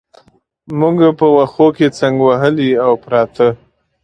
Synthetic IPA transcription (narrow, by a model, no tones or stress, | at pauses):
muɡpəwaxoket͡saŋɡwaɦəliawpɾɑt̪ʰə